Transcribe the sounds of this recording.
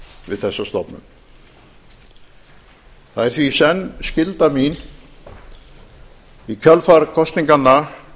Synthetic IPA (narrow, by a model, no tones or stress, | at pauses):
vɪ̰ðθɛsːast̪ɔpnʏ̰m | θaðɛɾ̥θvisɛnːscɪlt̪amin | icʰœlfaɾkʰɔst̪niŋkanːa